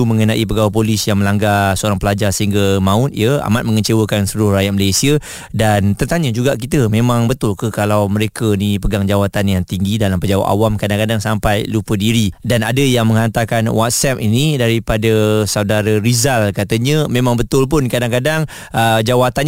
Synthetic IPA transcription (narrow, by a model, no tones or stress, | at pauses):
uməŋənaʔipəɡawap̬olɪsjaŋmə̃laŋɡasəoɾaŋpəlad͡ʒarsəɦiŋɡamãʊt̪̚jəa̰mat̪̚mə̃ŋət͡ʃewəkansəlʊrajat̪̚məlajsiə | dant̪ərt̪aɲəd͡ʒuɡaʔkit̪əmẽmãŋbət̪ʊlkəkalawməɾekənipəɡaŋd͡ʒawat̪anjaŋt̪iŋɡidalampəd͡ʒawa̰ʔa̰wamkadaŋkadaŋsampajlupədiɾidanadəjaŋmə̃ŋant̪akanwat̪̚sɛp̚inidaɾipadasaudaɾəɾizalkat̪əɲə̃mẽmãŋbət̪ʊlp̬ʊnkadaŋkadaŋ | əd͡ʒawat̪an